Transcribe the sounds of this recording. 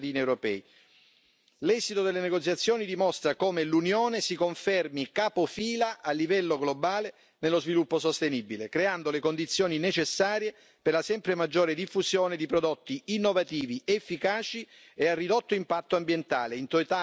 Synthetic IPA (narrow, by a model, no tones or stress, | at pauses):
d̪iːniewɾopɛ̰ːi | lɛzit̪od̪elːeneɡot̪sːjat̪sːjoːnid̪imɔst̪ɾakoːmelunjoːnesikoɱfɛrmikaːpofiːlaʔalːivɛlːoɡlobaːle | nelːozvilupːosost̪enibilekɾeand̪olekond̪it̪sjoːninet͡ʃesːaːɾje | perlasɛmpɾemad͡ʒːoːɾed̪ifːuzjoːned̪ipɾod̪ot̪ːiinːovat̪iːviʔefːikaːt͡ʃi | earːid̪ot̪ːoimpat̪ːoambjent̪aːleint̪oit̪a